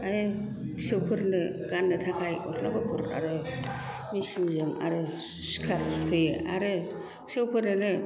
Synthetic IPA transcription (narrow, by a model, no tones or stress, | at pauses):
aɾɯ | sewpʰɯɾnɯ | ɡanːɯtʰakʰajotʰna̰bapʰuɾa̰ɾɯ | misinzɯŋa̰ɾɯ | skʰaɾttʰɯjeaɾɯ | sewpʰɯɾnɯnɯ